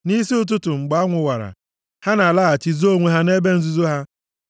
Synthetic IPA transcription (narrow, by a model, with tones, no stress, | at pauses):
ni˦si˦ʊ˦t̬ʊ˦tʊ˨ŋ͡m̩˨ɡ͡ba˨˦ŋʷʊ˨wa˨ɾa̰˨ | ha˦na˨la˦a˨t͡ʃi˨zo˦ŋʷe˦ɦa˦ne˦be˦n̩˦zu˦zo˦ɦa˦